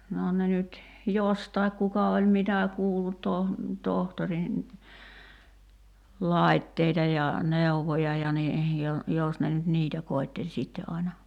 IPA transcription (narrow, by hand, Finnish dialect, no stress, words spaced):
noː ne nyt jostɑik kukɑ olʲ mitæ kuːlːut toh tohtorin lɑˑitːeitɑ jɑ neˑuʋojɑ jɑ ni jo jos ne nyt niːtæ koitːelʲ sitːe ʔɑinɑ